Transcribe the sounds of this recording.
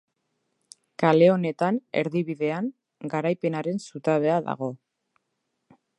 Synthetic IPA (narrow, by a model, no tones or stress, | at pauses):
kale̞o̞ne̞t̪ane̞̰ɾðiβiðe̞aŋ | ɡaɾajpe̞naɾe̞nsut̪aβ̞e̞aða̰ɣ̞o̞